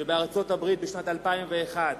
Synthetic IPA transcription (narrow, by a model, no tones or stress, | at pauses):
ebeaʁt͡so̞tabʁit̪̚beʃnatalpaimve̞ːχad̪